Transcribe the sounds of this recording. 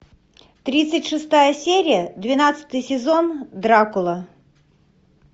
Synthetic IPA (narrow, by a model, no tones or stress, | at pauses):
t̪ɾʲit̪sɨtʲʂɨst̪ajəsʲeɾʲɪjəd̪vʲɪnat̪sɨ̥t̪ɨjsʲɪzond̪ɾakʊlˠə